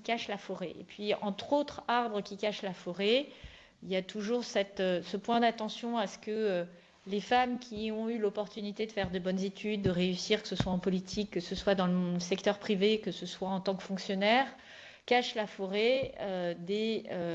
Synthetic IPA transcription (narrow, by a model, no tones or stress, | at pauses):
ikaʃlafɔʁeḛpɥiɑ̃t̪χot̪χaʁbʁəkʲikaʃlafɔʁe | iljat̪uʒuʁsɛt̪øsəpwɛ̃d̪at̪ɑ̃sjɔ̃asə̥kəø | lefamkʲʰiɔ̃ylɔpɔʁt̪ynit̪ed̪əfɛʁd̪ebɔnzet̪ʰyd̪ːəʁeysiʁkə̥səswaɑ̃pɔlit̪ʰikːəsəswad̪ɑ̃ləəsɛkt̪œʁpχivekəsəswaɑ̃t̪ɑ̃kfɔ̃ksjɔnɛʁ | kaʃlafɔʁeød̪eø